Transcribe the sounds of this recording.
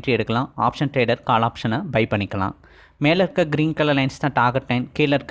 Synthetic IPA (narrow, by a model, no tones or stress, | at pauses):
ʈriɛɾɯkːɐɭãːa̰ːpʂɐnʈɾeːɖɐɾkaːlaːpʂɐnɐbɐɪpɐɳːɪkːɐlã̰ː | meːlɐɾkɐɡɪɾiːnkɐlɐɾlɐɪnst̪ãːʈaːɡɐʈːɐɪnkeːlɐɾk